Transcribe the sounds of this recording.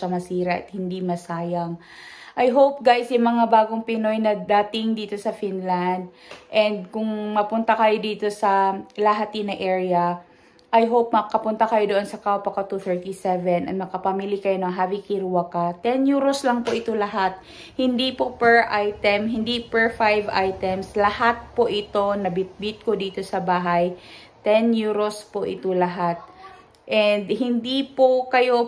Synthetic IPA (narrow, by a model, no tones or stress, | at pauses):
ɐmɐsiːɾɐʔɐ̰t̪̚hɪnd̪imɐsaːjɐŋ | ʔɐjɦowp̚ɡajsjʊmɐŋabaːɡoŋpɪno̞jnɐd̪aːt̪ɪŋd̪iːt̪o̞sɐfinland̪̚ | ʔɛnd̪̚kʊŋmɐpʊnt̪akɐjo̞d̪iːt̪o̞sɐlɐɦat̪inɐʔɛːɹɐ | ʔɐjɦowp̚mɐkɐpʊnt̪akɐjo̞d̪oʔonsɐkawpɐkɐt̪uθɛɹt̪isɛvɛnʔɐt̪̚mɐkɐpamilikɐjonɐɦaːvɪkiɾuwakat̪ɛnjuɾoslɐŋpo̞ʔɪt̪o̞lɐɦat̪̚ | hɪnd̪ipo̞pɛɹʔajt̪ɛmɦɪnd̪ipɛɹfajvajt̪ɛmslɐhat̪̚po̞ʔɪt̪o̞nɐbɪt̪̚bit̪̚kod̪iːt̪o̞sɐbaːɦajt̪ɛnjuɾospoʔɪ̰t̪olɐɦat̪̚ | ʔɛnd̪hɪnd̪ipo̞kɐjo̞